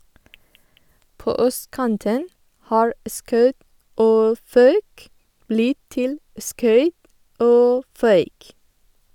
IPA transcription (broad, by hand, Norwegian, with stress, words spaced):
ˈpoː ˈœstˌkɑntən ˈhɑːɹ ə ˈskɑʉt ˈoː ˈfɑʉk ˈblɪt ˈtɪl ə ˈskœʏt ˈoː ˈfœʏk